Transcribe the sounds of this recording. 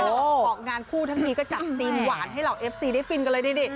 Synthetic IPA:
ʔoː˧˩ɔː˨˩k̚ŋaː˧nkʰuː˥˩t̪ʰa˥˩ŋniː˧kɔː˥˩t͡ɕa˨˩p̚siː˧nwaː˨˩˦nɦa˥˩jɾa˧wʔeː˦˥p̚siː˧da˥˩jfi˧nknlɤː˧jda˥˩di˧˥˩

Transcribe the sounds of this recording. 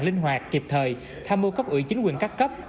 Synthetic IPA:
ŋlï˧ŋ̟ɦwaː˨˩k̚ki˨˩p̚t̪ʰəː˨˩j | t̪ʰaː˧mo˧kə˦˥p̚ʔɨ̰˧˩˦t͡ɕi˨˦ŋ̟kwi˨˩ŋkaː˦˥kkə˦˥p̚

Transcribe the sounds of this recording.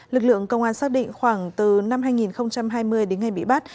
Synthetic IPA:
lɨ˨˩k̚lɨ̰˧˨əŋkə˧wŋ͡mʔaː˧nsaː˦˥k̚ɗḭ̈˧˨ŋ̟xwaː˧˩ŋt̪ɨ˨˩na˧mɦaː˧jŋi˨˩nxə˧wŋ͡mt͡ɕa˧mɦaː˧jmɨ˧əjɗe˨˦nŋa˨˩jɓḭ˧˨ɓa˦˥t̚

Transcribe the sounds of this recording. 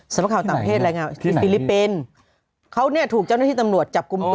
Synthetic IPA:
sa˧˦mla˧˥kʰaː˧˩w̪aː˨˩papʰeː˥˩t̪̚ɾa˧jŋaː˧t͡ɕʰːfiː˧li˦˥pːi˧n | kʰa˦˥wnɛː˥˩t̪ʰuː˨˩k̚a˥˩wnaː˥˩iː˥˩a˧mnu˨˩ət̪̚t͡ɕa˨˩p̚ku˧mt̪

